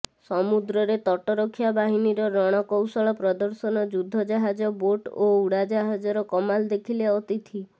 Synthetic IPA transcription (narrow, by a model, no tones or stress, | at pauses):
sɔmud̪ɾɔɾet̪ɔʈɔɾɔkʰːjabaɦiniɾɔɾɔɽ̃ɔkɔwsɔɭɔpɾɔd̪ɔɾsɔnɔd͡ʒud̪ʱːɔd͡ʒaɦad͡ʒɔboʈouɽad͡ʒaɦad͡ʒɔɾɔkɔmald̪ekʰileɔt̪it̪ʰi